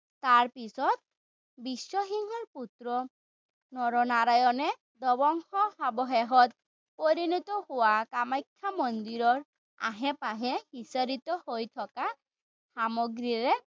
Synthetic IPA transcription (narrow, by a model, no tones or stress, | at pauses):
t̪aɾpisɔt̪̚ | biswɔɦiŋɔɾput̪ɾɔ | nɔɾɔnaɾajɔne | d̪ɔbɔŋhɔhabɔɦeɦɔt̪̚ | poɾinɔt̪ɔhowakamajkʰːamɔnd̪iɾɔɾ | a̰ɦepaɦehisaɾit̪ɔhojt̪ʰɔka | samɔɡɾiɾe